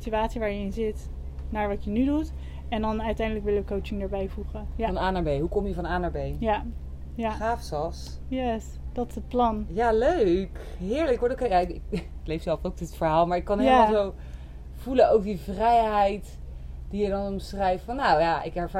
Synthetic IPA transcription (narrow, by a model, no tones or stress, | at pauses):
sityaːtsiʋaːɹjəɪnzɪt | naːɹʋɑtjənydut | ɛndɑnœɥtɛjndələkʋɪlʋəkowt͡ʃɪŋdaːɹbɛjvuχəjaɑnaːnaɹbejɦukɔmjəvɑnaːnaɹbejja | jaχaːfsɑsjɛs | d̥ɑtɪsət̚plɑnjaløɥkɦɪːɹləkʋɔtokejaɪkɪkklejfsɛlˠfowk̚dɪtfəɹɦaːlˠmaːɹɪkːɑnealˠzow | v̥ulənowəɹdivrɛjɦɛjt | d̥ijədɑnɔmsrɛjftfɑnːowjaʔɪkɛɹva